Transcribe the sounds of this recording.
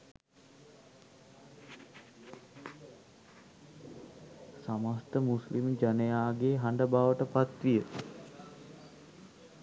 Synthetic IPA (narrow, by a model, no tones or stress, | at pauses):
samast̪əmuslimd͡ʒanəjaːɡeɦaɳɖəbaːʋəʈəpat̪ʋijə